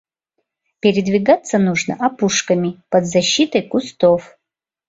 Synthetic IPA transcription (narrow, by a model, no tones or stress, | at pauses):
pʲeɾʲɪd̪vʲiɡat̪sːɐnuʐnɐ̰ʔapuʂkɐmʲipɐd̪zɐɕːit̪ɐjkust̪of